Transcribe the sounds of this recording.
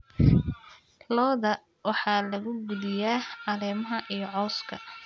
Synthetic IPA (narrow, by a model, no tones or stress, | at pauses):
lɔːðɐ | wɑħɑːlɐɣʊɡʊðɪjaːɑlɛːmɐɦɐʔijɞʕɔːskʰɐ